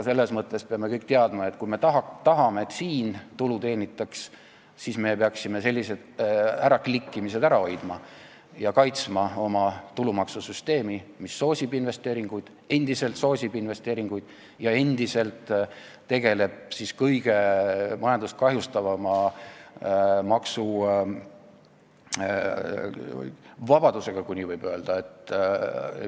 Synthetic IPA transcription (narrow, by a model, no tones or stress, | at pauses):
se̞lːe̞smɤt̪ˑːe̞speɑme̞kɤjkt̪eɑd̪mɑe̞t̪kujme̞t̪ɑɦɑt̪ɑɦɑme̞et̪ːsiːnt̪ulut̪e̞ːnʲit̪ːˑɑks | sisme̞peɑksime̞se̞lʲːise̞d̪̥æɾɑklikːimise̞d̪̥æɾɑo̞jd̪̥mɑ | jɑkɑjt̪smɑo̞mɑt̪ulumɑksusyst̪e̞ːmimisːo̞ːsʲibinve̞st̪e̞ːɾiŋɡ̥ujd̪̥ | e̞nd̪̥ise̞lt̪so̞ːsʲibinve̞st̪e̞ːɾiŋɡ̥ujd̪̥ | jɑe̞nd̪̥ise̞lt̪ː | e̞ɡ̥e̞le̞b̥̚siskɤjɡ̥e̞mɑjɑnd̪uskɑɦjust̪ɑvɑmɑ | mɑksu | vɑb̥ɑd̪use̞ɡ̥ɑkunʲːivɤjb̥ø̞ːld̪̥ɑe̞t̪ːˑ